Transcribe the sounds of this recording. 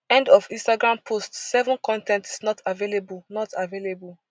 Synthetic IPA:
ɛ̃ndɔfĩstaɡɹãmpʰostsɛvɔ̃nkɔ̃ntɛ̃nti̥snɔtavelebulnɔtavelebul

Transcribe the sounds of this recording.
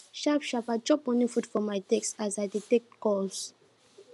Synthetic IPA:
ʃapʃapad͡ʒɔpɔ̃nifutfɔmajtɛksazajditɛk̚tkɔls

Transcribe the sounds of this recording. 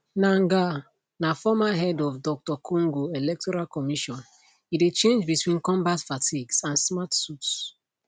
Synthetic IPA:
nãŋɡa | nafɔmaɦɛdɔfdɔk̚tɔkʰõŋɡoelɛk̚tɔɹalkɔmiʃɔ̃n | idet͡ʃẽnd͡ʒbitwĩnkɔ̃mbatfatʰiɡsãnsmatsuts

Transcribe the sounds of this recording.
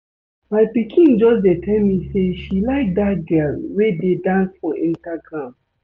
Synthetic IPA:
maɪpikʰĩnd͡ʒɔsdetʰɛmiseʃilaɪk̚d̪at̚ɡɜlwededãnsfɔʔĩntaɡɹãm

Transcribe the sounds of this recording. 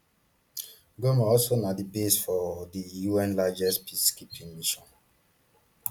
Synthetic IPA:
ɡomaɔlsonadibesfɔdijuɛ̃nlad͡ʒɛspʰiskipʰĩŋmiʃɔ̃n

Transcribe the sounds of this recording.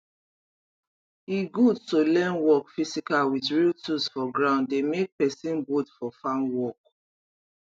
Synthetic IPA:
iɡudtolɛ̃nwɔkfisikalwitɹiltʰusfɔɡɹãʊ̃nddemek̚pɛsĩnbodfɔfãnwɔk̚

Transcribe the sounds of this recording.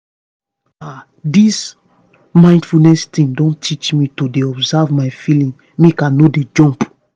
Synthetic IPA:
a | dis | mãɪ̃ndfulnɛstĩŋdɔ̃ntʰit͡ʃmitodeɔbzavmajfilĩŋ | mekanoded͡ʒɔ̃mp

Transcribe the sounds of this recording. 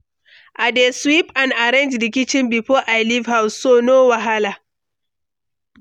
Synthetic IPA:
ʔadeːswipanʔaɾɛnd͡ʒlɪk̬ʲɪt͡ʃɪmbiɸoʔajlifhawssoːnoːwaɦalaː

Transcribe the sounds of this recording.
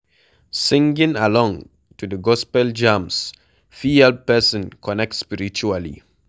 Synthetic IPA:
sĩŋɡĩŋalɔ̃ŋ | tudəɡɔspɛld͡ʒãms | fihɛlppɛsɔ̃nkʰɔnɛk̚tspiɾit͡ʃualḭ

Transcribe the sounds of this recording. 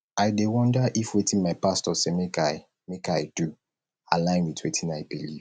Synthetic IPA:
aɪdewɔ̃ndəʔifwetʰĩnmaɪpastɔsemeka | mekaɪd̥u | a̰lãɪ̃nwitʰwetʰĩnaɪbiliv

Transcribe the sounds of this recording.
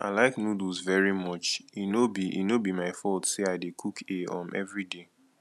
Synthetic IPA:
ʔa̰ɪlaɪknuduzvɛɹimɔt͡ʃinobiʔḭnobimaɪfɔltseaɪdekʰukʰeɔ̃mɛ̰vɹide

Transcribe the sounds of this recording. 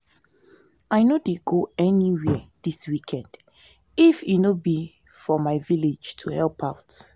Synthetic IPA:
ajnodeɡoɛniwɛdiswikʰɛ̃nd | ifinobi | fɔmaɪviled͡ʒtʰuhɛlpʰaʊt

